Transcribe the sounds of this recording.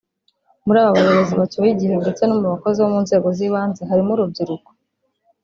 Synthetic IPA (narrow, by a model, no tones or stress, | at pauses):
muɾaːβaβaɾoβoziβatuβiɟihe̞nde̞t͡se̞nomuβako̞ziβomunze̞ːɡo̞ziβaːnzeɦaɾimuɾub̚ɟiɾuko